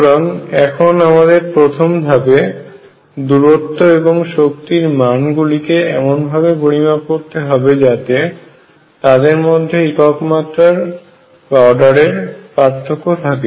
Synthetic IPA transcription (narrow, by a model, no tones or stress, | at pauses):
ɾɔnɛkʰonamad̪eɾpɾot̪ʰombʱabe | d̪uɾot̪ːoeboŋʃokt̪iɾmanɡulikeɛmonbʱabepoɾimakoɾt̪eɦɔbed͡ʑat̪e | t̪ad̪eɾmod̪ʱːeikɔkmat̪ːɾaɾ | paoɖaɾeɾpaɾt̪ʰːokːot̪ʰake